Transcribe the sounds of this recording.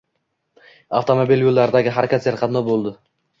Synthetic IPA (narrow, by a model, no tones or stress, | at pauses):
aft̪ʰomobilʲjolˠːaɾɪd̪aɡʲɪɦaɾkʰʲat̪seɾqʰɑd̪nɒbolˠd̪ɪ